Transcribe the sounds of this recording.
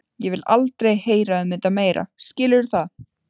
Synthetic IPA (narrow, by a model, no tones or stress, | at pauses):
jɛvɪlalt̪ɾejheːjɾaʏmɪt̪ameːjɾa̰scɪːlɪɾ̥θað